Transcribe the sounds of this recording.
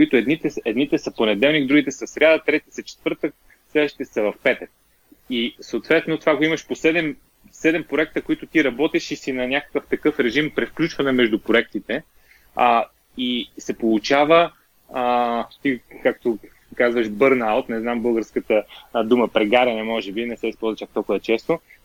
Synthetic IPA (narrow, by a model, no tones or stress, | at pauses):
koit̪ʊɛd̪nit̪ɛɛd̪nit̪ɛsɐponɛd̪ɛlˠniɡd̪ɾuɡit̪ɛsɐsɾʲjad̪ət̪ɾɛt̪isɐt͡ʃɛ̥t̪vɤɾt̪ə | slɛd̪vəʃt̪i̥t̪ɛsɐvɐfpɛt̪ək̚ | isəoːt̪vɛt̪not̪ovaɡoimɐʃposɛd̪ɛm | sɛd̪ɛmpɾoɛk̚t̪əkoit̪ʊt̪iɾɐbɔt̪ɛʃisinɐnʲakə̥kəft̪ɐkɤfɾɛʒimpɾɛfklʲut͡ʃvɐnɛmɛʒd̪ʊpɾoɛk̚t̪it̪ɛ | isɛpolˠut͡ʃavə | t̪ikak̚t̪o | kazvəʃbɤɾnalˠt̪nɛznambɤlˠɡəɾskət̪əd̪uməpɾɛɡaɾʲɐnɛmɔʒɛbinɛsɛispɔlˠzvɐt͡ʃak̚t̪ɔlˠkʊvət͡ʃɛst̪o